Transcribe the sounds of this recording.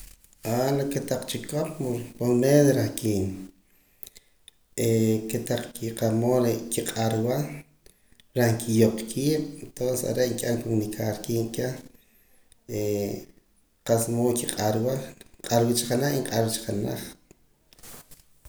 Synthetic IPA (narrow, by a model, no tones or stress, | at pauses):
alaket̪aq͡χt͡ʃikop̚mopolmeːðɾahkiːn | eket̪aq͡χkiqamoːlekiqʼaɾwa | ɾahŋkʰijoqkʰiːɓ̥ent̪onsesa̰ɾeʔŋkʲʼaŋkomnikʰaɾkiːʔkʲe | e | qasmoːkiqʼaɾwaqʼaɾwit͡ʃḁqanaχiɴqʼaɾt͡ʃqana̰χ